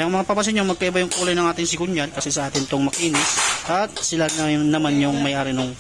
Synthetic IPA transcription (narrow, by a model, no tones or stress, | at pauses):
ɐŋmɐŋapɐbɐs̬ɪɲːoŋmɐɡ̚kːɐʔɪbajʊŋkuːlɐjnɐŋʔaːt̪ɪŋsɪkʊɲjɐlkɐsɛsɐʔaːt̪ɪnt̪oŋmɐkiːnɪsʔɐt̪̚sɪlanɐnɐmanjʊŋmɐjʔaːɾɪnʊŋ